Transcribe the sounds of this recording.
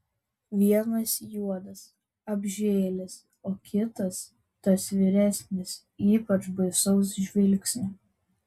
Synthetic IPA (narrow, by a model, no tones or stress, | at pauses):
ʋʲiɛnɐsjuɔd̪ɐs | ɐbʲʒʲeːlʲɪs | oːkʲɪt̪ɐs | t̪ɐsʋʲɪɾʲæsʲnʲɪs | iːpɐt͡ʃbɐɪsɔʊs̬ʒʲʋʲɪlʲksʲnʲɛ